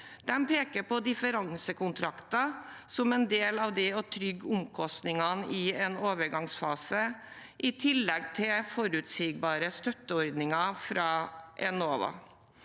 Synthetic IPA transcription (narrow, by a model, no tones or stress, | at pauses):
d̪̥ɛmpʰeːkəɾpɔd̪ɪfəɾɑŋsəkʰʊnt̪ʰɾɑkt̪ɑsɔmɛnd̪eːlɑʋd̪ɛɔt̪ʰɾʏɡːʊmkʰɔst̪nɪŋɑnʔɪɛnoːʋəɾɡɑŋsfɑːsə | ʔɪt̪ʰɪlːɛɡt̪ʰɪlfɔɾʉːt̪siːɡ̚bɑːɾəst̪œt̪ːəɔɾd̪nɪŋɑfɾɑːʔɛnoːʋɑ̰